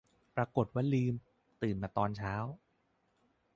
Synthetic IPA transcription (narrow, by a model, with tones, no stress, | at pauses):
pɾa˧ko˨˩t̪̚waː˥˩liː˧m | t̪ɯː˨˩nmaː˨˩t̪ɔː˧nt͡ɕʰaː˦˥w